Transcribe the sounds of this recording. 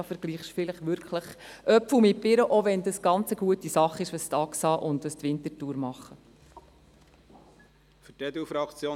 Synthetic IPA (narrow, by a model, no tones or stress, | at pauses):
fəɾɡ̥liːχʃfɪləχʋʏɾkχləχ | ʔœpfəmɪpɪɾəʔoʋɛndəsɡ̥ɑnt͡səɡ̥uətisɑχɪʃʋəst̪ɑksɑːʔʊnd̪ʋəstʋɪntətuːɾmɑχə | fʏtɛd̪ufɾɑkt͡sjoː